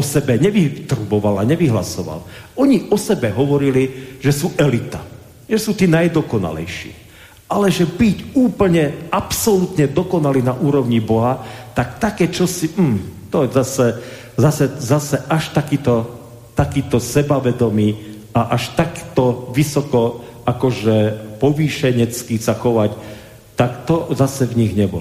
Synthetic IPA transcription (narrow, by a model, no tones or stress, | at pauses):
ɔsɛbɛɲɛʋit̪rubɔʋalaɲɛʋiɦla̰sɔʋa̰lɔɲiʔɔsɛbɛɦɔʋɔɾiliʒ̥ɛsuːʔɛlit̪a̰ | ʒɛsuːt̪iːnajd̪ɔkɔna̰lɛ̰jʃḭː | ʔalɛʒɛbicuːpl̩ɲɛapsɔlut̪ɲɛd̪ɔkɔnaliːnaʔuːɾɔʊɲibɔɦat̪akt̪akɛːt͡ʃɔsim̩ːt̪ɔzasɛ | zasɛzasɛʔaʃt̪akiːt̪ɔ | t̪akiːt̪ɔsɛbaʋɛd̪ɔmiː | aʔaʃt̪akt̪ɔʋisɔkɔ | akɔʒɛpɔʋiːʃɛɲɛt͡skisaxɔʋac | t̪akt̪ɔzasɛvɲiɣɲɛbɔ̰l